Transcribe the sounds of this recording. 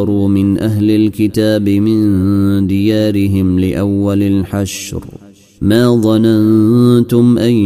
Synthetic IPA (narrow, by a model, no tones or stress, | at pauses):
ɑɾˤuːmɪnʔaɦlalkɪt̪aːbɪmɪnd̪ɪjaːɾɪɦɪmlɪʔawːalalħaʃɾ | maːðˤɑnant̪ʊmʔaj